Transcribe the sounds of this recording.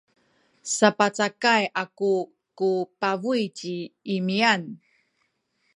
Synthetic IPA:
sapat͡sakajaku | kupavujt͡ɕiːmian

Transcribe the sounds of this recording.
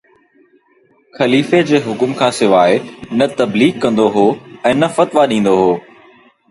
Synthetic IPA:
xɐliːfed͡ʑeːɦʊkʊmkʰãːsɪʋaːenɐt̪ɐbliːɡkɐ̃nd̪oɦoːɛ̃ːnɐfɐt̪ʋaɗĩːnd̪oɦoː

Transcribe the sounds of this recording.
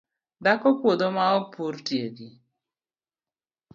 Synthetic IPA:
d̪akɔkwod̪omaɔpurtjedi

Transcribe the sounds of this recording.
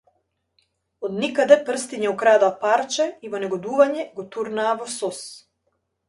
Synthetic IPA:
ɔd̪nikad̪ɛpr̩st̪iɲɛukɾad̪apaɾt͡ʃɛivɔnɛɡɔd̪uvaɲɛɡɔt̪uɾnaːvɔsɔs

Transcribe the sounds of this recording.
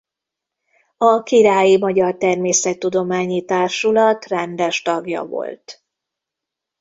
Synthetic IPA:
ɒkiɾaːjimɒɟɒrt̪ɛrmeːsɛt̪ːud̪o̞maːɲit̪aːrʃulɒt̪rɛnd̪ɛʃt̪ɒɡjɒ̰vo̞̰lt̪

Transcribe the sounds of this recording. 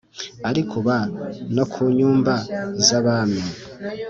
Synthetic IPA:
aɾikʰuβanokʰuɲuːmbazaβami

